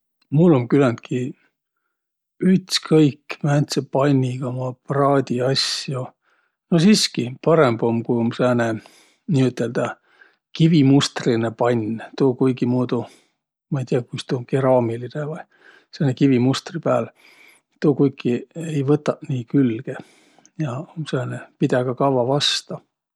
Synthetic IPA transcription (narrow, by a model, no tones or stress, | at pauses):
mulːomkylænt̪̚ki | yt̪skʰɤjkːmænt̪sepɑnʲːiɡ̥ɑomɑprɑːd̪̥ʲiɑsjo | nosiːskipɑɾembo̞mkujomseːne | nʲiːyt̪ːˑeld̪̥ɑ | kivimust̪rinepɑnʲːt̪uːkujɡimuːd̪̥u | mɑejt̪ʲiɑkust̪uomkeɾɑːmilinevɑj | seːnekivimust̪ripæːl | t̪uːkujkːˑiejvɤt̪ːˑɑʔniːkylɡ̥e | jɑomsɑːnepid̪̥ɑɡ̥ɑkɑvɑvɑst̪ɑ